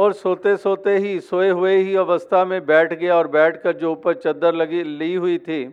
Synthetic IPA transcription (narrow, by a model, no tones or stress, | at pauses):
ɔːɾsoːt̪esoːt̪eɦisoːeɦʊeɦiɐʋəst̪ʰamẽbɛːʈʰɡɐjaɔːɾbɛːʈʰkɐɾd͡ʒoːʊpəɾt͡ʃɐd̪ːəɾlɐɡiliiɦʊit̪ʰiː